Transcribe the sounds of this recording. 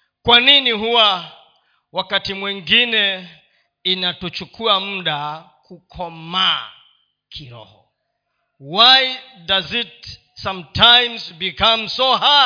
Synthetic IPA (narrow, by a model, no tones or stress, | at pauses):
kwaniniɦuwa | wakatimwiŋɡinɛ | inatɔt͡ʃukuam̩ɗa | kukʰɔma | kʰiɾɔ̰hɔ̰ | waj | dazit | sãmtʰãjmzbikamsɔa